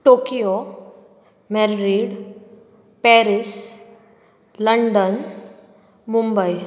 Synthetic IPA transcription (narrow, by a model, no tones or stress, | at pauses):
ʈokijo | mɛɾɾiɽ | pɛɾis | ləɳɖən | mumbəj